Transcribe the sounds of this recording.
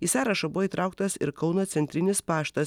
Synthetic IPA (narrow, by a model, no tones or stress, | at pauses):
iːsɑːɾɐʃɐbʊʋoːit̪ɾɑˑʊkt̪ɐsɪ̰ɾkɐʊnɐt̪sʲɛnʲt̪ʲɾʲɪnʲɪspɑːʃt̪ɐs